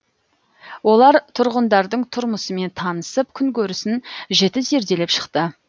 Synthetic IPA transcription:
wo̞lˠɑɾt̪ʰʊɾʁənd̪ɑɾd̪əɴt̪ʰʊɾməsəme̞nt̪ʰɑnəsəp̚kʲʰʏŋkʲʰɵɾɪsɪnʒe̞t̪ɪze̞ɾd̪e̞le̞pʃə̥qt̪ə

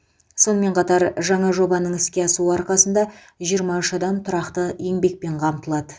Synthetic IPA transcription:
so̞nəme̞ɴqʰɑt̪ɑɾʒɑɴɑʒo̞bɑnəɴɪskʲe̞ɑsuɑɾqɑsənd̪ɑ | ʒijəɾmɑʏʃɑd̪ɑmt̪ʰʊɾɑqt̪əje̞ŋbe̞k̚pe̞ɴqʰɑmt̪əlˠɑd̪ə

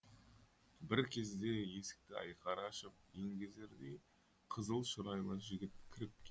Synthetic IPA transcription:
bɪɾkʲʰe̞zd̪e̞je̞sɪ̥k̚t̪ɪɑ̰jqɑɾɑʃəp̚je̞ŋɡʲe̞zd̪e̞ɾd̪ej | qʰəzəlˠʃʊɾɑjlˠɑʒɪɡʲɪt̪̚kʲʰɪɾɪp̚kʲ

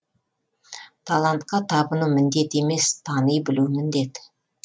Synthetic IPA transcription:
t̪ʰalˠant̪qɑt̪ʰɑbənumɪnd̪e̞t̪e̞me̞st̪ʰɑnəjbɪluwmɪnd̪e̞t̪

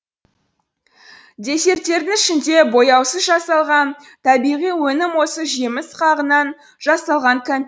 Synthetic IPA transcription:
d̪e̞se̞ɾt̪ːe̞ɾd̪ɪŋɪʃɪnd̪e̞bo̞jɑwsəzʒɑsɑlˠʁɑn | t̪ʰɑbijʁijwɵnɪmwo̞səʒemɪsqʰɑʁənɑn | ʒɑsɑlˠʁɑŋkʲʰæn

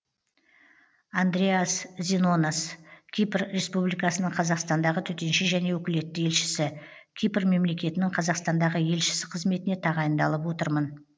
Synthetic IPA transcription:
and̪ɾeaszʲino̞naskʲʰijprɾe̞spublijkɑsənəɴqʰɑzɑqst̪ɑnd̪ɑʁət̪ʰɵt̪e̞nʃɪʒæne̞wɵkʲɪle̞t̪ːɪje̞lʃɪ̥sɪ | kʲʰijpɾme̞mle̞kʲe̞t̪ɪnɪɴqʰɑzɑqst̪ɑnd̪ɑʁəje̞lʃɪ̥sɪqʰəzme̞t̪ɪne̞t̪ʰɑʁɑjənd̪ɑlˠəpwo̞t̪əɾmən

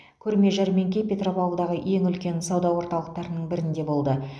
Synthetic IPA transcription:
kʲʰɵɾme̞ʒɑɾme̞ŋkʲejpʲe̞t̪ropɑwəlˠd̪ɑʁəʔe̞ŋʏlkʲe̞nsɑwd̪ɑwo̞ɾt̪ɑlˠəq̚t̪ɑɾənəɴbɪɾɪnd̪e̞bo̞lˠd̪ə

